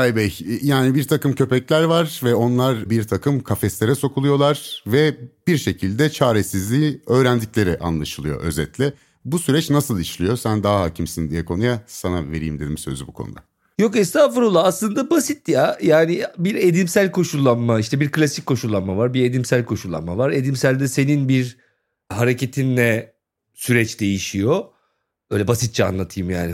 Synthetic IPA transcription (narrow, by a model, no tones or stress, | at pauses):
ajbɛjjaːnibiɾt̪ʰakʰɯmcʰø̞pɛclʲæɾvaɾvɛo̞nlˠaɾbiɾt̪ʰakʰɯmkʰafɛslʲe̞ɾɛso̞kʰulˠujo̞lˠaɾ̥vɛb̥iɾʃe̞cʰilʲd̪ɛt͡ʃʰaːɾesizlʲiːø̞ːɾænd̪iclʲe̞ɾɛʔa̰nlˠaʃɯlˠɯjo̞̰ʔø̞̰zɛt̪lʲɪ | busyɾɛt͡ʃnasɯlˠiʃlʲijo̞sænd̪aɦaɦaːcʰimsind̪ijɛkʰo̞nujasanave̞̰ɾḭjimd̪e̞d̪imsø̞̰zybukʰo̞̰nṵd̪a̰ | jo̞kɛst̪ʰaːfuɾolˠaːslˠɯnd̪abasit̪ːjajaːnibiɾe̞d̪imsælʲkʰo̞ʃulˠːanmaiʃt̪ʰɛbiɾklʲasic̚ʲkʰːo̞ʃulˠːanmavaɾbiɾe̞d̪imsælʲkʰo̞ʃulˠːa̰nmavaɾe̞d̪imsælʲd̪ɛse̞ninbiɾ | ɦaɾe̞cʰe̞t̪ʰinlʲɛ | syɾɛt͡ʃd̪e̞jiʃijo̞ | bøːlʲɛbasit̪̚t͡ʃʰɛa̰nlˠat̪ʰɯjmjaːni